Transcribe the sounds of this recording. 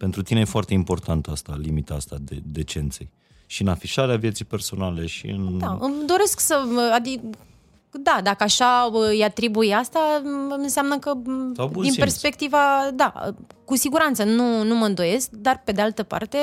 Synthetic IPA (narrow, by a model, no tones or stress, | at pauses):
pe̞nt̪ɾut̪inejefoart̪e̞impo̞rt̪ʰant̪əast̪alimit̪aast̪ad̪ed̪e̞t͡ʃe̞nt̪sej | ʃiɨnafiʃaɾeavje̞t̪sijpe̞rso̞nale̞ʃḭɨ̰nd̪aɨmd̪o̞ɾe̞sksəad̪i | d̪ad̪akəaʃaəɨjat̪ɾibujast̪aɨnseamnəkəabud̪inipe̞rspe̞kt̪ivad̪a̰ə̰kusiɡuɾant̪sənunuməɨnd̪o̞je̞sk̚d̪arpe̞d̪ealt̪əpa̰rt̪e̞